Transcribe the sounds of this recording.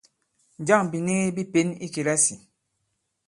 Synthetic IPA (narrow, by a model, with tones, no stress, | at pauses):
d͡ʒa˦˨ŋbi˨ne˦ɣe˦bi˦pe˦ni˦ke˨ɾa˦si˨